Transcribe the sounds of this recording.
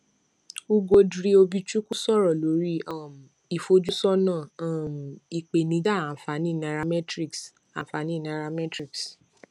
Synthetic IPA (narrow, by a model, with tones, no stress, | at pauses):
u˦ɡo˧dɾi˧o˧bi˦t͡ʃu˦ku˦sɔ˦˨ɾɔ˨lo˨˦ɾi˦a˦˨m˨ | i˨fo˦d͡ʒu˦sɔ˦nãː˦˨a˦˨m˨i˨k͡pe˨nĩ˧˦da˦˨a˨fa˨˦nĩ˦˨na˧ɾa˧mɛ˦tɾi˦ks | a˨fa˨˦nĩ˦˨na˨˧ɾa˧mɛ˦tɾi˦˨ks